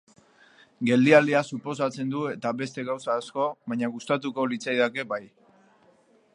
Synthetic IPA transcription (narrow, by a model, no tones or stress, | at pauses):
ɡe̞ld̪iald̪iasupo̞s̬at͡se̞nd̪ue̞t̪aβe̞st̪e̞ɣawsaːsko̞βaɲaɣust̪at̪̬uko̞lit͡sajðake̞baj